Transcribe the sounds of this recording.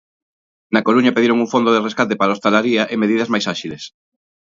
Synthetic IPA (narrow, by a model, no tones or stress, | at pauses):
nɐkoɾuɲɐpeðiɾoŋuŋfond̪oðereskat̪epaɾaost̪alaɾiaʔemeðiðɐzmajsaʃiles